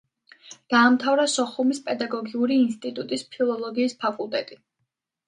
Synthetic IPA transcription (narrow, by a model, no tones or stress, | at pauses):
d̪̥aːmt̪ʰavɾasɔχumispʼɛd̪aɡɔɡiuɾiːnst̪ʼit̪ʼut̪ʼispʰilˠɔlˠɔɡiːspʰakʼulˠt̪ʼɛt̪ʼi